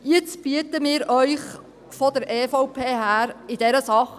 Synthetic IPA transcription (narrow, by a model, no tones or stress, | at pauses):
jɪt͡sb̥iətəmɪːɾœʏχ | fɔd̪əɾʔeːfɔʊpʰeːɦæːɾɪd̥ɛɾəsɑχ